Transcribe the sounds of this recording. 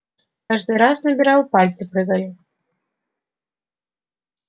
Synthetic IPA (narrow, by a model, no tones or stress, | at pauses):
kaʐd̪ɨɾasnɐbʲiɾawpalʲt̪sɨpɾɨɣalʲi